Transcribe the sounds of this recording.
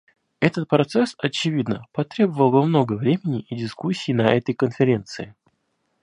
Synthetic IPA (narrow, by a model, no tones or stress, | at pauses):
ɛt̪ət̪̚pɾɐt̪sɛsɐt͡ɕɪvʲid̪nəpɐt̪ɾʲe̞bəvəlˠbɨmno̞ɡəvɾʲemʲɪnʲɪʔɪdʲɪskusʲːiːnɐʔɛt̪əjkənfʲɪɾʲe̞nt̪sɨɪ